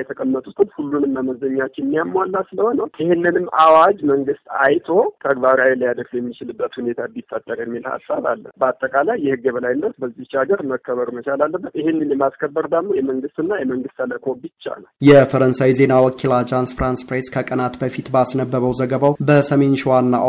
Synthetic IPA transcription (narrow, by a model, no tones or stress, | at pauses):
jɛt̪ʰəkʼəmːət̪ʼut̪ʰɨmhulːunɨmːəməzəɲːat͡ʃːɪnmːijamːwalːasɨləho̞nəwjɪhɪnːɨnɨmːʔawad͡ʒməŋɡɨst̪ajt̪ʰo̞t̪ʰəɡbaɾawiləjad̪əɾfjɛmːit͡ʃɪlɨbːət̪hunet̪ʰabit̪ʼːət̪ʼːəɾjɛmːilha̰sːaβa̰lːə̰bəat̪ʼːəkʼalajːɛhɨɡːəβəlajɪnːət̪bəzːiht͡ʃaɡəɾməkːəβəɾumət͡ʃalalːəbːət̪ɪhɪnːɨnjɛmaskʰəbːəɾd̪əɡmojɛməŋɡɨst̪ɨnːajɛməŋɡɨst̪aləkʰobɨt͡ʃːa̰naljɛfəɾənsajze̞nawɔkʰːilad͡ʒansfɾanspɾeskʰəkʼənat̪bəfit̪basnəbːəβəwzəɡəβawbəsəme̞nʃɪwanːa